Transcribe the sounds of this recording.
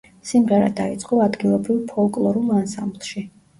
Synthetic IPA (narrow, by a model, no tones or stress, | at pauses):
simʁɛɾa̰d̪ait̪sʼqʼɔad̪ɡilˠɔbɾivpʰɔlˠkʼlˠɔɾulˠansamblˠʃi